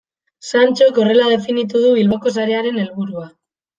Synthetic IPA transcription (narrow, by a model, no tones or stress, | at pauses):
sant͡ʃo̞ko̞re̞lað̞e̞finit̪̬uð̞uβ̞ilβoko̞saɾe̞aɾe̞ne̞lβuɾua